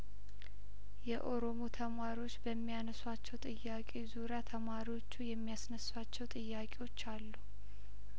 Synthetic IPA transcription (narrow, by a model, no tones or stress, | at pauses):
jɛʔo̞ɾo̞mot̪ʰəmaɾiwo̞t͡ʃːbəmːijanəswat͡ʃːɛwt̪ʼɨjːakʼezuɾeat̪ʰəmaɾiwo̞t͡ʃːujɛmːijasnəsːat͡ʃːɛwt̪ʼɨjːakʼewo̞t͡ʃːalːu